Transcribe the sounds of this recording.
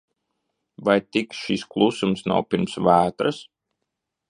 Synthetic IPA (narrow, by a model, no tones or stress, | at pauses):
vajt̪ikʃisklˠusumsna̰wpʲiɾmsvæːt̪ɾɨs